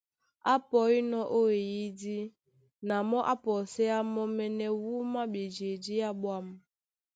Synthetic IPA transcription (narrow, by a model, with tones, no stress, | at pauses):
a˦pɔ˨˦i˦nɔ˦ʔo˦e˨ji˦di˦ | na˨mɔ˦ʔa˦pɔ˨sɛ˦a˦mɔ˦mɛ˦nɛ˦wu˦ma˦be˨d͡ʒe˨di˦ja˦ɓwa˦m˦